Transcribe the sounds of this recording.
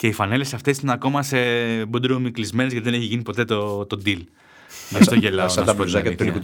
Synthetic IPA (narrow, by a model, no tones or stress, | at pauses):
ce̞ifɐne̞le̞sɐft̪e̞sineɐko̞mɐsebod̪iɾomiklizme̞nezɣɐt̪iðe̞neçiʝinipo̞t̪e̞t̪ot̪o̞d̪il | mɐst̪oʝelɐɐd̪ɐpozɐɐt̪oli